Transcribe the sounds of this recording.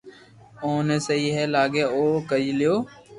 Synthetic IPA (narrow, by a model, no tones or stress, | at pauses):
oːneːsəiːɦɛːlaːɡeːoːkəɾiːlɪjoː